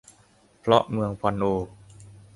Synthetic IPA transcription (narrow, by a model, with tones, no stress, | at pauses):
pʰɾɔ˦˥ʔmɯ˧əŋpʰɔ˧nʔoː˧